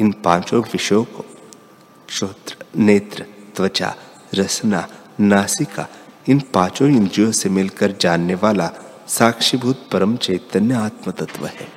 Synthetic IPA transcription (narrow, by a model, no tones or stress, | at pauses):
ɪnpãːt͡ʃõʋɪʃjõko | ʃoːt̪ɾəneːt̪ɾət̪ʋɐt͡ʃa̰ː | ɾɐsna | naːsika̰ɪnpãːt͡ʃõɪnd͡ʒijõsemɪlkəɾd͡ʒaːnːeʋaːla | saːkʃibʱuːt̪̚pɐɾəmt͡ʃeːt̪ənjəaːt̪mət̪ɐt̪ʋə̰ɦɛ̰ː